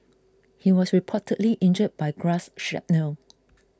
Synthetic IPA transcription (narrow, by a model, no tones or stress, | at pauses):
hiwɔsɹipʰɔtʰədliʔɪ̃nd͡ʒəd̚bajɡɹasʃɛ̰p̚nəl